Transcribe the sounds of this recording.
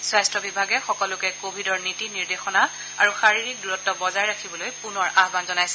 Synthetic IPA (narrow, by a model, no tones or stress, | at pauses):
swajstɹɔbibʱaɡɛxɔkɔlʊkɛkobʱidɔɹnitiniɹdexɔna | a̰ɹuxaɹiɹik̚duɹɔtːɔbɔzajɹakʰibɔlojpunɔɹaɦbanzɔnajsɛ̥